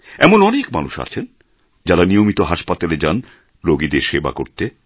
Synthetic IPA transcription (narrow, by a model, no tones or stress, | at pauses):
ɛmonɔnekma̰nuʃa̰t͡ɕʰen | d͡ʑaɾanijomit̪oɦaʃpat̪aled͡ʑan | ɾoɡid̪eɾʃeba̰ko̰ɾt̪e